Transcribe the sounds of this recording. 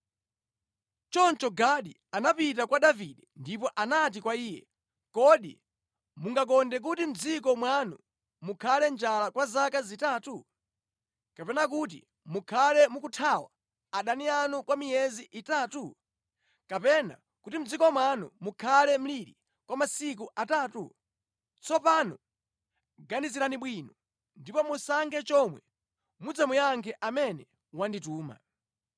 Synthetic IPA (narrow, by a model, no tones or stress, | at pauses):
t͡ʃɔnt͡ʃɔɡaɗi | anapit̬akwaɗaviɗɛndipɔʔanat̬ikwaiːjɛ̰ | kɔɗḭ | muŋɡak̬ɔndɛk̬utim̩d͡zikɔmwanu | mukʰalɛnd͡ʒalakwazakazitaːtu | kapɛnak̬ut̬ḭ | mukʰalɛmukutʰawa | aɗanianukwamijɛziʔitaːtu | kapɛna̰ | kutim̩d͡zikɔmwanṵmukʰalɛm̩liɾḭ | kwamasik̬uʔataːtṵ | t͡sɔpanɔ | ɡaniziɾaniɓwiːnɔ | ndipɔmusaŋɡɛt͡ʃɔmwɛ | mud͡zamujaŋkʰɛʔamɛnɛ | wandituːma̰